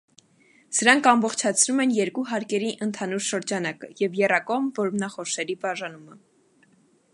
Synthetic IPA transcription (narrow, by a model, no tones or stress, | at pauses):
səɾɑŋkʰɑmbɔχt͡ʃʰɑt͡sʰnumɛnjɛɾkuɦɑɾkɛɾiʔənt̪ʰɑnuɾʃəɾd͡ʒɑnɑkə̰jɛvjɛrɑkɔʁmvɔɾmnɑχɔʃɛɾibɑʒɑnumə